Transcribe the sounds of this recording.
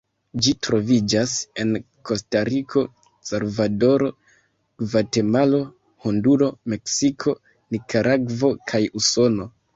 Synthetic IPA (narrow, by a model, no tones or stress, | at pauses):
d͡ʒitɾo̞vid͡ʒase̞n | ko̞staɾikʰo̞ | salvado̞ɾo̞ | vate̞malo | honduɾo̞me̞ksikʰo̞ | nikʰaɾʔaɡvo̞kʰajuso̞no̞